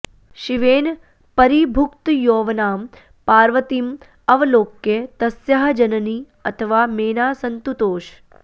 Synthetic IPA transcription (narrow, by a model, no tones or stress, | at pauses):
ʃiʋeːn | pəɾibʱʊk̚t̪joːʋnaːm | paːɾʋət̪im | ɐʋloːkjet̪ɐsjəɦəd͡ʒənni | ə̰t̪ʰəʋameːnaːsənt̪ut̪oːʃ